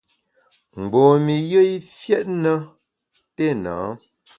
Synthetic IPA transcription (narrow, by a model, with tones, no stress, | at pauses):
m̩˨ɡ͡boː˨mi˨jə˦i˦fjɛ˦t̚nə˦ | te˦˨na̰ː˨˦